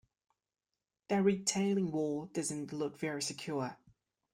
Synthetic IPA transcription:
ðəɹitʰeɪlɪ̃ŋwɔːd̥ʌzə̃nʔlʊkv̥ɛɹisəkʰj̥ɔː

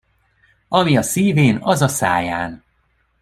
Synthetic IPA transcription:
ɒmiɒsiːveːnɒzɒsa̰ːjaːn

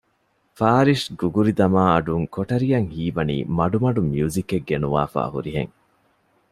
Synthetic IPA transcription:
faːɾiʃɡuɡuɾid̪ɐmaːɐɖuŋkoʈɐɾijɐŋhiːbɐnḭːmɐɖumɐɖumjuːzikːeɡːenuʋa̰ːfa̰ːhṵɾiɦḛŋ

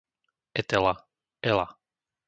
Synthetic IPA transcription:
ɛt̪ɛla | ɛla̰

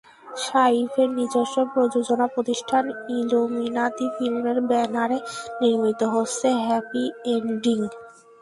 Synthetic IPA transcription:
ʃaifeɾnid͡ʑoʃopɾod͡ʑod͡ʑonapɾot̪iʃʈʰaniluminat̪ifilmeɾbɛnaɾeniɾmit̪oɦotsʰeɦɛpieɳɖiŋ

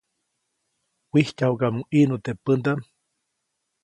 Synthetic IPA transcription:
wihcaukamuʔinut̪epənd̪am

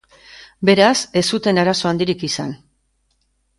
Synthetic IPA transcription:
be̞ɾase̞sut̪e̞naɾaso̞and̪iɾikisan

